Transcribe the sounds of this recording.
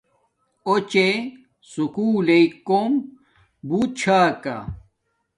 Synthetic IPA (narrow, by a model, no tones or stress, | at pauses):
ot͡ɕe | sukuːleikːom | but͡ɕʰaːka̰